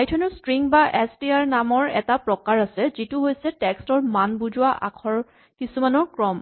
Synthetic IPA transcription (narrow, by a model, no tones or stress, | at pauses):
ajtʰɔnɔstɹiŋbaʔɛstiaɹnamɔɹɛ̰tapɹɔkaɹasɛzituɦojsɛtɛkstɔɹmanbuzʊwaʔa̰kʰɔɹ | kisumanɔɹkɹɔm